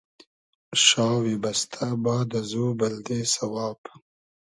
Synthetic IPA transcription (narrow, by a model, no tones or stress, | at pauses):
ʃɑːwebast̪ʰabɑːd̪azubald̪esawɑːb